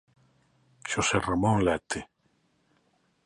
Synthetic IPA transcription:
ʃosɛramɔŋlɛt̪ʰːɪ

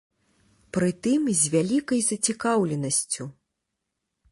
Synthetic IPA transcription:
pɾɨt̪ɨmzʲvʲalʲikɐjzɐt͡sʲikawlʲɛnɐsʲt͡sʲu

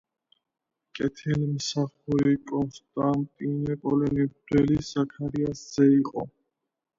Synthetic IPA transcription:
kʼɛt̪ʰɛlimsaχuɾikʼɔnst̪ʼant̪ʼinɛpʼɔlɛnibd̪̥wɛlizakʰaɾiasz̥ɛiqʼɔ̰

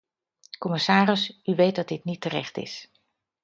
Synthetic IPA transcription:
kɔmɪsaːɾəsʔyʋejt̚dɑd̚dɪtnitərɛ̰χtɪ̰s

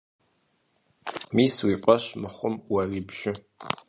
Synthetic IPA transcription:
miːswiːpʷʼɐʃmɨχʷʊmwɐriːbʒ̥ɪ

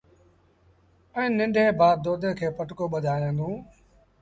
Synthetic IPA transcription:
ɛ̃ːnɪ̃ɳɖʱeːbʱaːd̪oːd̪ẽːkʰeːpəʈkoːɓəd̪ʱaːjãːnd̪ũː

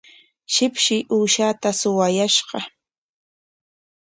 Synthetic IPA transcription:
ʃɪpʃɪʔuːʃat̪asʊwajaʃɢɑ

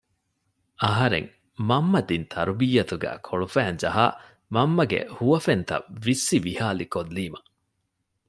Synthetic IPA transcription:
ɐɦɐɾḛŋ | mɐmːɐd̪int̪ʰɐɾubiːɐt̪uɡæ̰ːkʰoɭufæːnd͡ʒɐɦa̰ː | mɐmːɐɡḛhuʋɐfent̪ɐ̰ʋisːiʋihaːlikolːiːmɐ

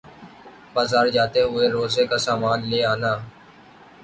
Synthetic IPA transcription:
baːzaːɾd͡ʒaːt̪eɦʊeːɾoːzeːkaːsaːmaːnleːaːnaː

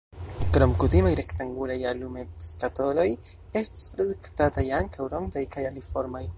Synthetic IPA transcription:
kɾo̞mkutimajɾe̞ktaŋɡulajalumeskato̞lo̞j | e̞sti̥spɾodektatajaŋkʰawɾo̞ŋdajkajalifo̞ɾmaj

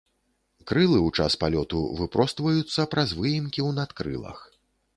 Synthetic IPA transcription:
kɾɨlˠɨwt͡ʂa̰spalʲɔt̪ṵvɨpɾɔst̪vɐjut̪sːɐpɾʔɐzvɨjimkʲiwnat̪kɾɨ̰lˠɐ̰x

